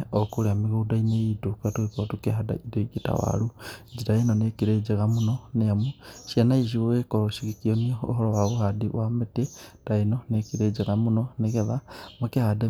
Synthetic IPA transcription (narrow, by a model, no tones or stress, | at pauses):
okuɾeamiɣudaineidukatukekootukeɦada̰idoiɡita̰wa̰lud͡ʒiɾaenonekiɾed͡ʒeɣamunoneamuʃienaiʃ̬ioekoɾoʃikikionioo̰ɦoɾowaβuhadiwametetainonekiɾed͡ʒeɣamunoneɣeðamakehade